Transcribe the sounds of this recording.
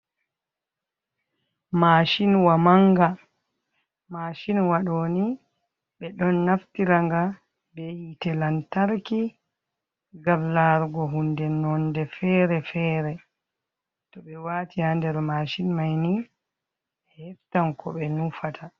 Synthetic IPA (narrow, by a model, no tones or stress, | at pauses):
maʃinwamaŋɡa | maːʃinwaɗoːni | ɓɛɗɔnːaftiɾaŋɡa | bɛhitɛlantaɾki | ɡamlaɾɡɔɦundɛnɔndɛfɛɾɛfɛːɾɛ | tɔbɛwatihandɛɾmaʃinmajni | ɛhhɛftankɔ̰ɓɛnufatʰa